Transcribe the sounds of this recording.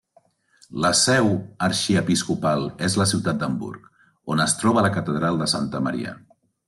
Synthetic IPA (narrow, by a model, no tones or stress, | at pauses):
ləsɛwəɾʃiəpiskupalˠezləsiwt̪at̪̚d̪əmbṵɾk | onəst̪ɾɔβələkət̪əðɾalˠd̪əsant̪əmə̰ɾḭə̰